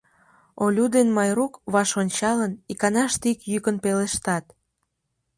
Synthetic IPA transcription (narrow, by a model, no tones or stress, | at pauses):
olʲud̪enmɑjrukβɑʃonʲt͡ɕɑlənikɑnɑʃt̪ikjykənpeleʃt̪ɑt̪